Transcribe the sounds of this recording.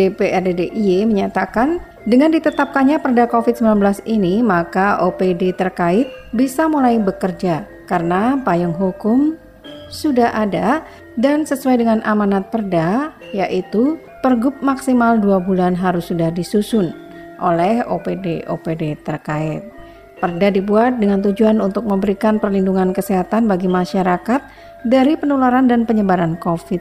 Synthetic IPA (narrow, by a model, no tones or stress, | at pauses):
depeʔɛrdedeʔieməɲat̪akan | dəŋandit̪ət̪ap̚kanɲapərdakofɪt̪̚səmbilanbəlasinimakaʔopedet̪ərkaɪt̪̚bisamulaibəkərd͡ʒa | kaɾənapajaŋɦukʊm | sudahʔada | dansəsuwajdəŋanʔamanat̪̚pərda | jaʔit̪u | pərɡʊp̚maksimalduabulanɦaɾʊsːudahdisusʊn | ʔolɛho̰pedeʔo̰pedet̪ərkaɪt̪̚ | pərdadibuat̪̚dəŋant̪ud͡ʒuanunt̪ʊk̚məmbəɾikanpərlinduŋankəseɦat̪anbaɡimaʃaɾakat̪̚ | daɾipənolaɾandanpəɲəbaɾankofɪt̪̚